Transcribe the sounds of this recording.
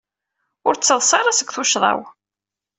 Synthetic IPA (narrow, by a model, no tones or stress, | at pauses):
ʊɾt͡sːəðˤsˤɑɾˤasəkʷːθʊʃðˤɑ̰w